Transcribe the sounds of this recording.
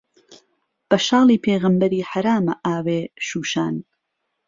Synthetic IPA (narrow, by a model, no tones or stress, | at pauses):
b̥ɐʃɑːlˠiːpʰeːɣɐmbɐɾiːħaɾaːmɐʔaːweːʃuːʃaːn